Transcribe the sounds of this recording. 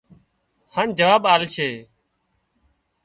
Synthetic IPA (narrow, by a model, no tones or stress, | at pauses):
haːnd͡ʒəʋaːɓaːlt͡ʃʰeː